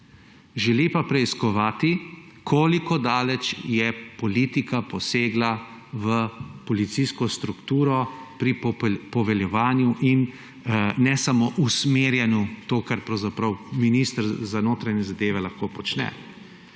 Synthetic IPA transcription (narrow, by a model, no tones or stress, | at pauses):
ʒɛlipapɾɛiskɔʋaːt̪i | kʰoːlikɔd̪aːlɛt͡ʃjɛpɔliːt̪ikapɔseːɡla | ʋəpɔlit̪siskɔst̪ɾukt̪uːɾɔpɾipɔʋɛljɛʋaːnjuʔin | nɛsamoʔusmeːɾjanjut̪oːkaɾpɾɐwzapɾɐwminiːst̪əɾzanoːt̪ɾanɲɛzad̪eːʋɛlaxkoːpɔt͡ʃnɛ̰